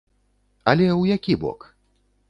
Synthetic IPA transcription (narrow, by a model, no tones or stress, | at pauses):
ɐlʲɛwjakʲibɔ̰k